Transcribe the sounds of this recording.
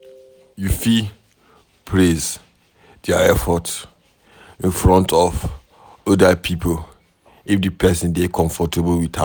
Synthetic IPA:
jufi | pʰɹez | daɛfɔts | ĩnfɹɔ̃ntʰɔv | ɔdapʰipʰol | ifdɨpʰɛsĩndekʰɔ̃ɱfɔtebəwitha̰

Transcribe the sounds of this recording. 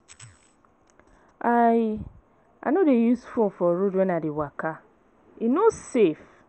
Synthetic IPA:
a | a̰nodejusfomfɔɾudenadɪwaka | inosef

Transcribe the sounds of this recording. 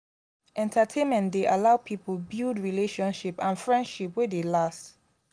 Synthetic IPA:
ʔɛ̃ntʰətʰẽnmɛ̃ntdeʔalaʊpʰiplbildɹileʃɔ̃nʃipãnfɹɛ̃ndʃipwedelast

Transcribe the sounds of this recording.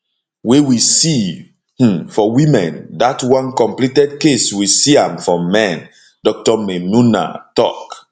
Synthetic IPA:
wewisi | h̩fɔwĩmɛ̃ndatwãnkɔ̃mplitɛd̚keswisiãmfɔ̃ːɛ̃n | dɔk̚tɔmemuna̰tɔ̰k

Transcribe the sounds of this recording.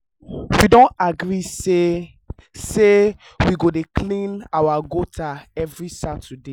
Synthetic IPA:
widõntaɡɹise | se | wiɡodekʰlĩnawaɡotʰaɛvɹisatʰude

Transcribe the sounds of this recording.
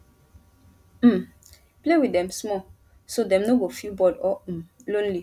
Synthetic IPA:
m̩m | plewidɛ̃msmɔ | sodɛ̃mnoɡofilbɔdɔlõnli

